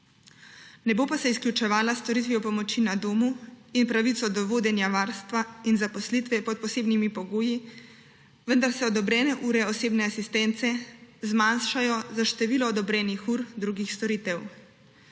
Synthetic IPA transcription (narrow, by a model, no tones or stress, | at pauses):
nɛboːpasɛisklʲjut͡ʃɛʋaːlast̪ɔɾit̪ʋiɔpɔmɔt͡ʃinad̪oːmuinpɾaʋit̪sɔd̪ɔʋoːd̪ɛnjaʋaːɾst̪ʋainzapɔslit̪ʋɛpɔt̪̚pɔseːbnimipɔɡoːji | ʋənd̪aɾsɛɔd̪ɔbɾɛːnɛʔuːɾɛɔseːbnɛasist̪ɛnt̪sɛzmaːnʃajɔzaʃt̪ɛʋiːlɔːd̪ɔbɾɛːnixuːɾd̪ɾuːɡixst̪ɔɾiːt̪ɛw